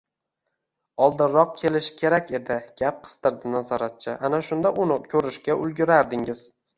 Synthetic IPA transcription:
ɒlˠd̪ɪnːɒq̚kʲʰe̞lɪʃɪ̥kʲʰe̞ɾakʲe̞d̪ɪɡ̥ʲap̚qʰɨ̥st̪ɪɾd̪ɪnazɒɾat̪̚t͡ʃʰɪʔanaʃʊnd̪aʔʊnɪkʲʰɵɾɪʃkʲaʔʊlˠɡʲɪɾaɾd̪ɪŋɪz̥

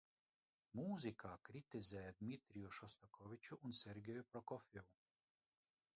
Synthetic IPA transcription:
muːzikʰakɾit̪izɛɛd̪mit̪ɾijuʃɔst̪ɔkʰɔʋit͡ʃuʔunsɛɾɡɛjupɾɔkɔfɛu

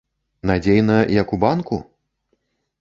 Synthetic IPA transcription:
nad͡zʲejnɐjɐkubankṵ

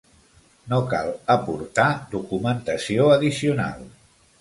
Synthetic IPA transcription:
noka̰lˠəpuɾt̪ad̪ukumənt̪əsioəðisiuna̰lˠ

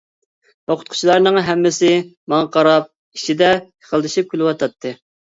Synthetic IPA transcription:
oqʰʊ̥t̪̚qʰʊ̥t͡ʃʰilˠɑɾnɨŋɦɛmːɪsɪmɑŋɑqʰɑɾɑp̚ | iʃid̪ɛəχʰəlˠd̪ɨʃip̚kʲylɪwɑt̪ʰɑt̪ʰːɨ

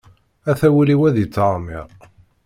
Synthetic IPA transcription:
æθæwiliwæðit͡sːɑʁˤmiɾˤ

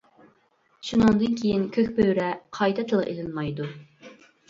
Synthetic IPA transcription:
ʃunɨŋd̪ɨnkʲʰejinkʲʰøkʲpøɾɛqʰɑjt̪ʰɛt̪ʰɨlˠʔḛlɪlmɑjd̪u

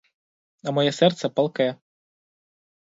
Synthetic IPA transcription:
ɐmɔjɛsɛrt̪sɛpɐlˠkɛjɛ

